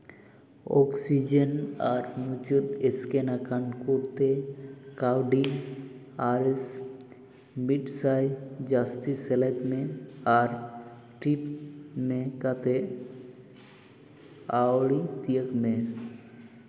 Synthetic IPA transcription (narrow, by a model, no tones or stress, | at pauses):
ɔ̰ksid͡ʒənaɾnut͡ʃut̪eskenakankuɾt̪ekawɖi | aɾes | miɖsajd͡ʒast̪iselet̪mẽaɾ | ʈɾipmẽkat̪e | awɭit̪iəkmẽ